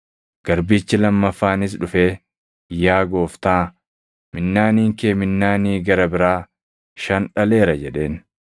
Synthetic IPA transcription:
ɡ̥ɐɾbiːt͡ʃːɪlɐmːɐfːaːnɪs̬ᶑʊfe̞ː | jaːɡo̞ːft̪aː | mɪnːaːniːŋkeːmɪnːaːniːɡɐɾɐbɪɾaː | ʃɐnᶑɐle̞ːɾɐd͡ʒɛɗe̞ːn

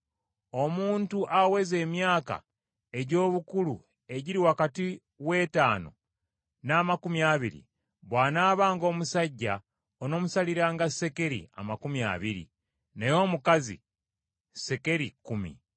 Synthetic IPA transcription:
o̞muːntuʔawe̞ze̞ːmjaːka̰ | e̞ɟo̞ːβukulu | e̞ɟiɾiwakati | we̞ːtaːno̞̰ | naːmakumjaβiɾḭ | βwaːnaːβaːŋɡo̞ːmusaɟːa | ono̞ːmusaliɾaːŋɡase̞ke̞ɾḭa̰makumia̰βiɾḭ | nejo̞ːmukazḭ | se̞ke̞ɾikumḭ

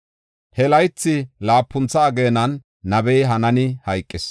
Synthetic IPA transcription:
hɛlɐjt͡sːɪlaːpːʊnt͡sːaːɡeːnɐnː | ɐbɛjɦɐnɐnɪhɐjkʼːɪs

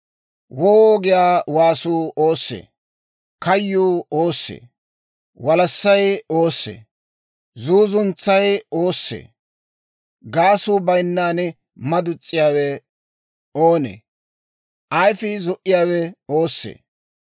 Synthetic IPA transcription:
wɔwoːɡɪjaːwaːsuːʔoːsːḛː | kɐjːuːoːsːḛː | wɐlɐsːɐjoːsːḛː | zuːzʊnt͡sːɐjo̞ːsːḛː | ɡaːsuːbɐjnːaːn | mɐd̪ʊt͡sʼːɪjaːwɛ | oːnḛː | ʔɐjfɪzɔʔɪjaːwɛoːsːḛː

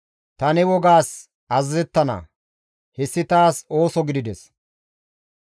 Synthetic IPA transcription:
t̪ɐnɛwɔɡaːs | ɐzzɛt̪ːɐnɐ̰ | hɛsːɪt̪aːso̞ːsɔɡɪd̪ɪd̪ɛs

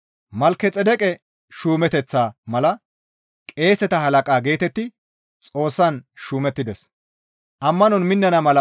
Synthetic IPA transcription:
mɐlkːɛt͡sʼɛd̪ɛkʼɛ | ʃuːmɛt̪ɛt͡sːaːmɐlɐ | kʼe̞ːsɛt̪ɐɦɐlɐkʼaːɡe̞ːt̪ɛt̪ːɪ | t͡sʼo̞ːsːɐnʃuːmɛt̪ːɪd̪ɛs | ʔɐmːɐnɔnmɪnːɐnɐmɐlɐ

